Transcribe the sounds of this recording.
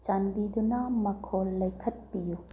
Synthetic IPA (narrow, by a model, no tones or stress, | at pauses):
t͡ʃanbidunɐmɐkʰolːɐjkʰɐt̚piju